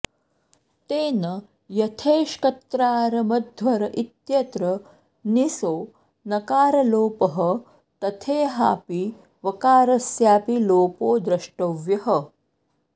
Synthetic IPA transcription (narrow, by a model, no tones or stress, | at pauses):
t̪eːnɐ | jɐt̪ʰeːʃkɐt̪ɾaːɾɐmɐd̪ʱʋɐɾɐʔit̪jɐt̪ɾɐ | nisoː | nɐkaːɾɐloːpɐɦɐ | t̪ɐt̪ʰeːɦa̰ːpi | ʋɐkaːɾɐsjaːpiloːpoːd̪ɾɐʂʈɐʋjɐɦɐ